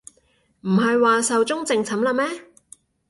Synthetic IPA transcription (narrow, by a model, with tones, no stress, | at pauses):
m̩˨˩ɦɐ˨jwaː˨sɐ˨wt͡sʊ˥ŋt͡sɪ˨˧ŋt͡sʰɐ˨˥mlɐː˧mɛː˥